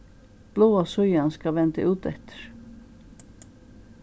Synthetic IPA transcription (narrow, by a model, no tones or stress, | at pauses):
b̥loːasʉʏanskɑʋɛnt̪ə̰ʔʉːt̪ɛ̰t̪ʰə̥ɾ